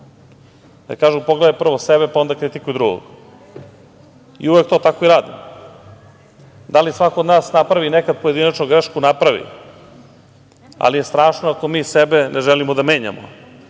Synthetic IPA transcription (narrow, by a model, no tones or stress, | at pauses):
a̰kaːʒupoɡled̪epr̩ʋosebepao̞nd̪akɾit̪ikujud̪ɾuɡo̰ɡ | ḭuʋek̚t̪oːt̪akoiɾaːd̪ḭ | d̪alisʋakod̪naːsnapɾaʋinekad̪̚pojed̪inat͡ʃnoɡɾeʃkunapɾaʋḭ | a̰lijest̪ɾaːʃnoako̞miːsebenʔeʒelimod̪ame̞ːɲa̰mo̰